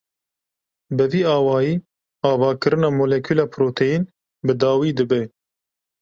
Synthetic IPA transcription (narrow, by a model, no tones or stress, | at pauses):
bɨviːɑːwɑːjiː | ɑːvɑːkɨɾɨnɑːmoːlɛkʰyːlɑːpʰɾoːt̪ʰejin | bɨd̪ɑːwiːd̪ɨbɛ